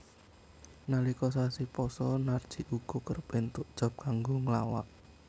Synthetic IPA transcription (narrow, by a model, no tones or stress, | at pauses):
nalikɔs̬asipɔsɔnard̥ʒ̥i̤ʔuɡ̥ɔ̤kərpent̪ʊʔd̥ʒ̥ɔ̤p̚kaŋɡoŋəlawa̰ʔ